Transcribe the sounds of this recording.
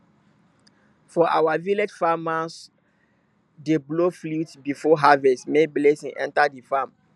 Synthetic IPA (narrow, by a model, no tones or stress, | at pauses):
fɔʔa̰waviled͡ʒfamas | debloflutbifɔɦavɛstmeblesĩŋʔɛ̰̃ntadifam